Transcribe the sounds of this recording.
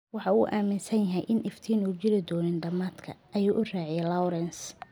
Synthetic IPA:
wɑħɑuːʔaːmɪnsɐnjɐɦɛjʔɪnʔɪft̪ʰiːnuːt͡ʃɪlɪd̪ɔːnɪnɖɐmaːd̪kʰɐ̰ʔɐjuːʔʊraːʕɪjɛlawɾɛns

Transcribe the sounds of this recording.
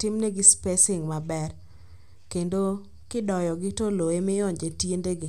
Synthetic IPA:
tɪmneɡɪspesɪŋmabɛr | kendo | kɪdɔjɔɡɪtoloemɪɔɲd͡ʒetjendeɡɪ

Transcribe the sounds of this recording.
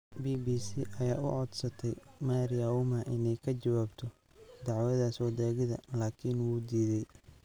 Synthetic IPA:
biːbiːsiːʔɐjaːʊ̰ʕɔd̪sɐt̪ʰɛjmaɾjaʊmaʔɪnɛjkʰɐd͡ʒɐwaːbt̪ʰɔ | d̪ɑʕwɐðaːswɐd̪ɛːɣɪðɐ̰laːkʰɪnwuːd̪iːðɛj

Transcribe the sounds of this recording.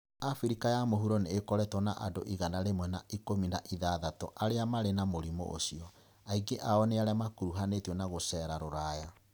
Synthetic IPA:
afiɾikajamoɦuɾoneːkɔɾɛtɔnaʔado̰ʔiɣanaɾemwɛnaikominaʔiðaðatɔʔaɾeamaɾenamoɾimo̰ʔo̰siɔ | aiɡeʔaɔneaɾeamakuɾuɦanetiɔnaɣosɛɾaɾoɾaja

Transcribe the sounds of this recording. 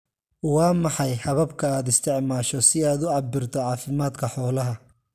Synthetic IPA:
wɑːmɑħɑjhɐβɐbkʰɐaːd̪ɪst̪ʰɪʕmaːʃɔsɪaːd̪ʊʕɑbɪrt̪ʰɔʕɑːfɪmaːd̪kʰɐħɔːlɐɦɐ

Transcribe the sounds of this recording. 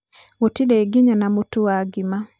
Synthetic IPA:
wotiɗɛiɡiɲanamutuwaɡima

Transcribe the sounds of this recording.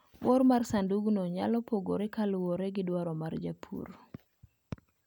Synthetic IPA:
wɔɾmarsanduɡnɔɲalɔpoɡoɾekalwoɾeɡɪdwaɾɔmard͡ʒa̰pʰṵr

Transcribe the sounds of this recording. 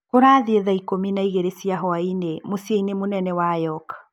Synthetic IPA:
koɾaːðieðaikominaiɣeɾesiaɦɔainemosiainemonɛnɛwajɔk

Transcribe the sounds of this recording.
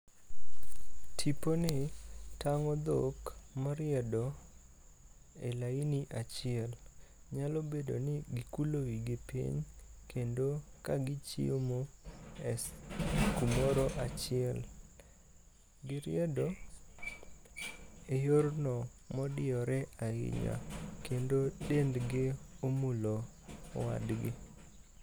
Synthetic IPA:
tʰiponɪtʰaŋɔd̪okmɔɾɪɛdɔ | ḛlainiʔat͡ʃɪɛl | ɲalobedo̰nɪɡikulowiɡepʰḭɲkʰendokaɡɪt͡ʃḭomoɛskumoɾoʔat͡ʃɪɛl | ɡɪɾɪ̰ɛdo | ejoɾnɔmɔdɪɔɾɛaɪ̰ɲa̰kendodendɡɪomulo | wa̰dɡɪ

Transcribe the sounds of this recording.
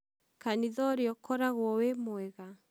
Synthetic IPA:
kaniðɔɾjɔkɔɾaɣwɔwemwɛɣa

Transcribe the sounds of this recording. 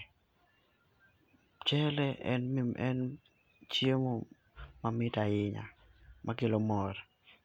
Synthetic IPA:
t͡ʃɛlɛʔɛnʔɛn | t͡ʃjemo | mamɪtaɪɲa̰mʔakelomɔɾ

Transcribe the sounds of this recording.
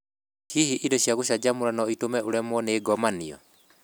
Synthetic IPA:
hihiʔindɔɕjaɣoʃad͡ʒamoɾanɔitomɛʔoɾɛmɔneːɡɔmaniɔ̰

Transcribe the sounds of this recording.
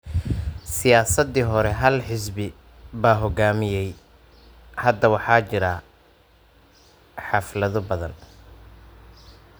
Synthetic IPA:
sɪjaːsɐd̪iɦɔɾɛɦɐlħɪs̬bɪ | baːɦɔɡaːmɪjɛj | hɐd̪ɐwɑħɑːt͡ʃɪɾɐ | ħɑflɐðɔbɐðɐ̰n

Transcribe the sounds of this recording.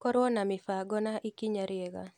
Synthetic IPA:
kɔɾwɔnamɪfaɡɔnaʔikiɲaɾjeɣa̰

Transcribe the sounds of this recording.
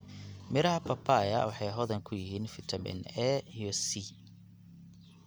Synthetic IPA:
mɪɾɐɦɐpʰɐpʰajɐwɑħɑjɦɔðɐŋkʰʊjɪɦiːnfɪt̪ʰɐmɪ̰nɛjɔsi

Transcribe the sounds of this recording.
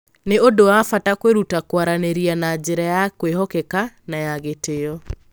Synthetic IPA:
neodowafatakweɾutakwaɾaneɾianad͡ʑeɾajakweɦɔkɛkanajaɣetejɔ

